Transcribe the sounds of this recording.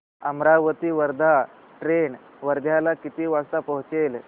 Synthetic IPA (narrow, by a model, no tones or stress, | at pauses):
əmɾaʋət̪iːʋəɾd̪ʱa | ʈɾeɳ | ʋəɾd̪ʱjalakit̪iːʋast̪apəɦut͡sel